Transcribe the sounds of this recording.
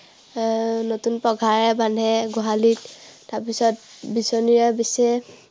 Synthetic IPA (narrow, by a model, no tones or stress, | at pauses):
notunpɔɡʱaɹɛbanʱɛɡɔɦalittaɹpisɔt̚bisɔniɹabisɛ